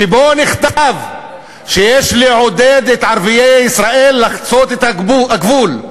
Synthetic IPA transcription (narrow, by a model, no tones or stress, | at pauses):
kiboniχt̪av | ʃejeʃliʕod̪ed̪et̪ʕaɾvijejisʁaʔelːaχt͡sot̪et̪hauaɡvul